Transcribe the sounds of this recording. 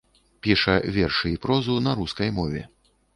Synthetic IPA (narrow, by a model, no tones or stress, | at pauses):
pʲiʂɐvʲɛrʂɨipɾɔzunɐɾuskɐjmɔvʲɛ̰